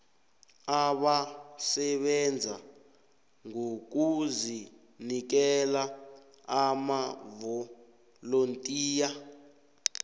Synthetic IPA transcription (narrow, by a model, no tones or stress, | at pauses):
aɓasɛɓɛnd͡zʱa | ŋok̬uzi | nik̬ɛla | amavɔ | lontʼiːja